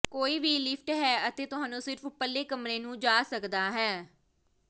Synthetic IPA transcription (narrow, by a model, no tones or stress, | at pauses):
koːiːbʱiːlɪpʰʈɦɛːət̪eːt̪ʊɦãːnũːsɪɾpʰpəlːeːkəmɾeːnũːd͡ʒaːsəkd̪aːɦɛː